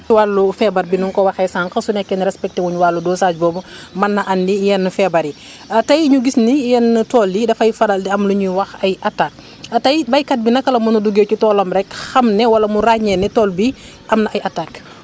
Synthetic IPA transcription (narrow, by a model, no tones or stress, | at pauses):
walːufɛbɐrbinuŋkɔwɐxɛsaːŋkɐsunɛkːɛnɾɛspɛk̚tewuɲuwalːudɔːsad͡ʒbɔːbumɐnːɐʔɐndijɛnːfɛbɐɾi | ɐtɐjɲuɡisnijɛnːətɔːljidɐfɐjfɐɾaldiɐmluɲiwɐxɐjʔɐtak̚ | ɐtɐjbɐjkɐt̚binɐkɐlɐmunuduɡeːcutɔːlɐmɾɛkxɐmnɛwɐlɐmuraɲɛnɛtɔːlbi | ʔɐmnɐʔɐjɐtak